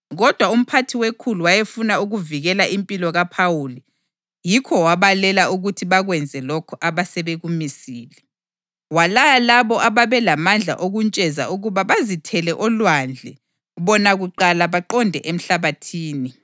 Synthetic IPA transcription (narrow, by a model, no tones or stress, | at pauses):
ɣɔd̥ʱwaum̩pʰatʰiwekʰuluwajefunauɣuviɣɛlaʔimpʼilɔɣapʰawuli | jikʰɔwaβalɛlauɣutʰiβaɣwɛnd͡zʱɛlɔkʰɔʔaβasɛβeɣumisiːlɛ | walajalaβɔʔaβaβɛlamand͡ɮʱa̰ʔoɣunt͡ʃʼɛza̰uɣuβaβazitʰɛlɛʔɔlwand͡ɮʱɛ | βɔnaɣuǃalaβaǃɔndʱɛʔem̩ɬaβatʰiːni